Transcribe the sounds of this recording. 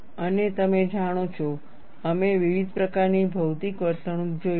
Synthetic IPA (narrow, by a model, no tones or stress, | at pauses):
ənet̪əmed͡ʒaɽ̃ot͡ʃʰo | əmeʋiʋid̪ʱpɾəkaɾnibʱəwt̪ikʋəɾt̪ʰəɳ̃up̚d͡ʒo